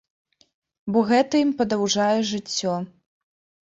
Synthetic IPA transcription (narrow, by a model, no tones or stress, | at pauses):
bɔɣɛt̪ɐjimpɐd̪awʐajɛʐɨt͡sʲːɔ